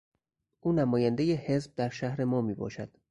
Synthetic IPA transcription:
ʔuːnæmɒːjænd̪ejehe̞zb̚d̪æɾʃæhɾe̞mɒːmiːbɒ̰ːʃæ̰d̪̥

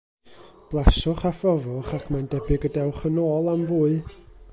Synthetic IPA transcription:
b̥lˠasʊχafɔvʊχakʰmandɛbɪɡədɛwχənoːlˠamvuːɨ

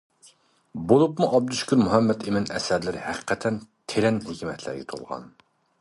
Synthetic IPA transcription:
bolˠupmuʔɑb̚d̪uʃkʲuɾmuɦɛmːɛt̪ʰemɪnɛ̰sɛd̪lɪɾhæqʰə̥qʰɛt̪ʰɛnt̪ʰeɾɛnhekʲʰimɛt̪ʰlæ̰ɾɡʲɛ̰t̪ʰo̰lˠʁɑ̰n

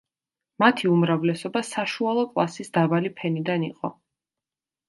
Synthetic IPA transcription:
mat̪ʰiumɾavlɛsɔbasaʃualˠɔkʼlˠasisd̪abalipʰɛnid̪aniqʼɔ

